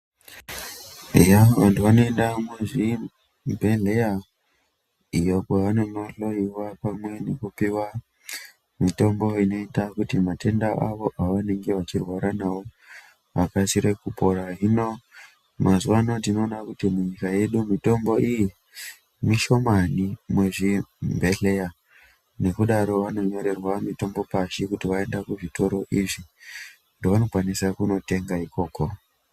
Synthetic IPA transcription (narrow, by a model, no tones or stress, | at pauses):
ejaʋantuʋano̞endamezi | mbʱe̞ɮe̞ja | ijokeʋanemaɬo̞iwapamwe̞nekupiwa | mito̞mbo̞ino̞itakutimate̞ndaʔaʋo̞ʔaʋane̞ŋɡeʋat͡ʃirwaɾanawo | akasiɾekupo̞ɾaɦino̞ | mazuʋanotino̞ːnakutimuɲikaje̞ɗumito̞mbo̞ʔiji | miʃo̞manimwe̞ʐimbʱe̞ɬe̞ja | ne̞kuɗaɾo̞ʋano̞ɲo̞ɾe̞rwamito̞mbo̞paʃikutiʋae̞ndakuʐito̞ɾo̞ʔiʐi | ndo̞ʋano̞kwanisakuno̞te̞ŋɡaiko̞ːko̞